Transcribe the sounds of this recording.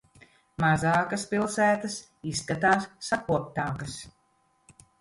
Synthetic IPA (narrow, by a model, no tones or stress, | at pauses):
mazaːkɐspilˠsæːt̪ɐs | isːkat̪aːsːakuɔp̚t̪aːkɐs